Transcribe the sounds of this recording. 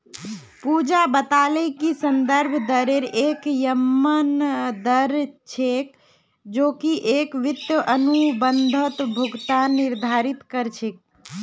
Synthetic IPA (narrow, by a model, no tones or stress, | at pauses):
pud͡ʒabət̪alekisənd̪əɾbʱd̪əɾeɾekjəmːənd̪əɾt͡ʃʰek | d͡ʒoːkiʔekʋɪt̪jəʔənubənd̪ʱət̪bʱʊɡt̪aniɾd̪ʱaɾit̪kəɾt͡ʃʰek̚